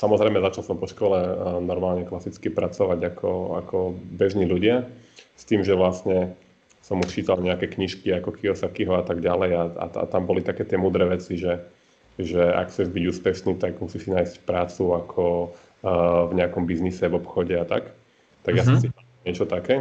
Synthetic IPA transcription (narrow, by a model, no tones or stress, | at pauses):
samɔzɾɛɪmɛzat͡ʃalˠsɔmpɔʃkɔlɛnɔɾmaːlɲɛklasit͡skipɾat͡sɔʋaɟakʰɔa̰kʰɔbɛʒniːʎuɟɪast̪iːmʒɛʋlasɲɛ | sɔmuʃt͡ʃiːt̪alɲɛakɛːkɲiʃkiakɔkʰiɔsakiɦɔat̪aɡɟalɛjaa̰a̰t̪ambɔlit̪akɛːt̪ɪɛmuːd̪ɾɛːʋɛt͡siʒɛ | ʒɛa̰kxt͡sɛʒbiɟuːspɛʃniːt̪aɡmusisinaːjscpɾaːt͡suakʰɔ | vɲɛakɔmbiznisɛvɔpxɔɟɛat̪a̰k | t̪aɡjasɔms̬ia | ɲɪɛt͡ʃɔt̪akɛː